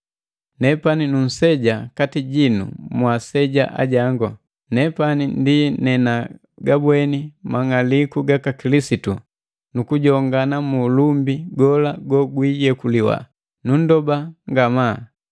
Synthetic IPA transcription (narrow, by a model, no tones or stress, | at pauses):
nɛpaninun̩sɛɟakatiɟinṵmwasɛɟa̰ʔa̰ɟaŋɡɔ | nɛpanindinɛna | ɡabwɛnimaŋalikuɡakakilisitu | nukuɟɔŋɡanamulumbiɡɔlaɡɔɡwiɟɛkuliwa̰ | nun̩dɔbaŋɡama